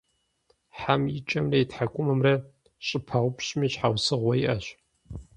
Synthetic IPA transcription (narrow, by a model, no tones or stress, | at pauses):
ħamjɪt͡ʃʼɐmrɐjitħakʷʼʊmɐmrɐ | ɕʼɪpʰaʁʷʊpɕmiɕħawsɨʁʷɔjiʔɐɕ